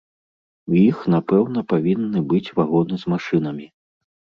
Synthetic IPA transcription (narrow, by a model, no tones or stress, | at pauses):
wjixn̪apɛwnɐpavʲinːɨbɨt͡sʲvaɣɔnɨzmaʂɨnɐmʲi